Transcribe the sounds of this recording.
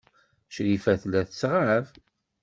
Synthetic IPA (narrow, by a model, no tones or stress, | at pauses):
ʃɾifæθlæθsʁav